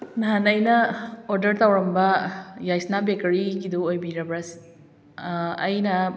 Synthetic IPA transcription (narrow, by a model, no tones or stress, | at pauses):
naɦanɐjnɐoɾdɐɾt̪awɾɐmbɐjajsnabekeɾiɡiduojbiɾɐbɾas | jnɐ